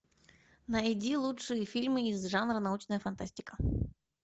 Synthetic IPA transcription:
nɐidʲilˠutʂɨjəfʲilʲmɨɪzʐanɾənɐut͡ɕnəjəfɐnt̪asʲtʲɪ̥kə

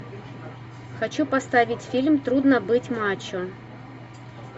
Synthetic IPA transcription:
xɐt͡ɕupɐst̪avʲɪtʲfʲilʲmt̪ɾud̪nəbɨtʲmat͡ɕːʊ

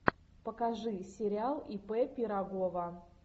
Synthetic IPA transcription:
pəkɐʐɨsʲɪɾʲɪalˠipɛpʲɪɾɐɡovə

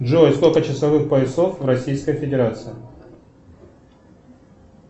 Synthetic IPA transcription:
dʐojst̪okət͡ɕɪsɐvɨxpəɪsofvrɐsʲijskəjəfʲɪdʲɪɾat̪sɨɪ

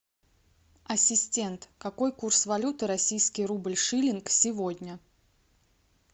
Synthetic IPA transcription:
ɐsʲɪsʲtʲe̞nt̪kɐko̞jkursvɐlʲut̪ɨɾɐsʲijskʲɪjɾublʲʂɨlʲɪnksʲɪvodʲnʲə

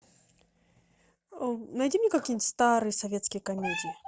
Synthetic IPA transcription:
nɐjdʲimʲnʲɛkɐkʲijnʲtʲst̪aɾɨjsɐvʲet̪skʲɪjkɐmʲedʲɪɪ

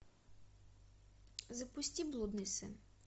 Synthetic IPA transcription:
zɐpʊsʲtʲiblˠud̪nɨjsɪ̰n

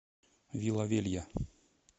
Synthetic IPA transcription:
vʲilˠavʲelʲja

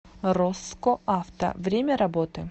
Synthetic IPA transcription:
roskoʔaft̪ə̰vɾʲemʲəɾɐbo̞t̪ɨ

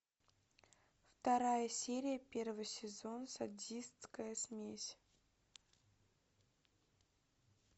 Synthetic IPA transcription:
ft̪ɐɾajəsʲeɾʲɪjəpʲe̞rvɨsʲɪzonsɐdʲist̪skəjəsmʲesʲ

